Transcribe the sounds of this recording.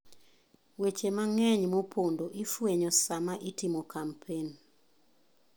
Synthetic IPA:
wet͡ʃemaŋɛɲmopʰondoʔifweɲɔsamaʔitimokampʰen

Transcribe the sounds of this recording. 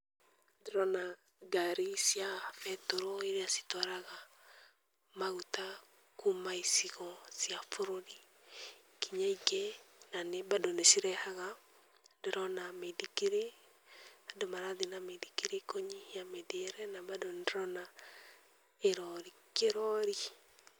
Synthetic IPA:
diɾɔna | ɡaɾisjafɛtoɾɔiɾeasi̥tɔɾaɣa | maɣuta | kumaisiɣɔsijafoɾoɾi | kiɲaikenanebadonesiɾɛhaɣa | deɾɔnamedikiɾe | adomaɾaðenamedikiɾekoɲijamedeɾɛnabadonɾɔna | eɾɔɾi | keɾɔɾi

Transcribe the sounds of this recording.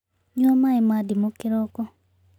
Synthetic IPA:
ɲɔmaimadimokɪɾɔkɔ

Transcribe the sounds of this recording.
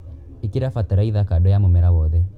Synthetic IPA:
ikiɾafatɛɾaiðakaɗɔjamomɛɾawɔðɛ

